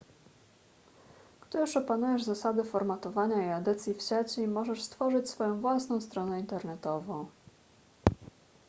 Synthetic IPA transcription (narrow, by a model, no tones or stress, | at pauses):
ɡ̥d̪ʊjuʂɔpanujɛʐzasad̪ɘfɔɾmat̪ɔvaɲaiad̪ɛt̪sʲjifɕat͡ɕɛmɔʐɛʂst̪fɔʐɘt͡ɕsfɔjɔ̃w̃vwasnɔ̃w̃st̪ɾɔnɛint̪ɛɾnɛt̪ɔvɔ̃w̃